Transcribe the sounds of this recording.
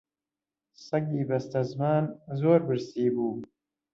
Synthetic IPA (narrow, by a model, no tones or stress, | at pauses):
sɐɡiːbɐst̪ɐzmaːnzoːɾbɨɾsiːbuː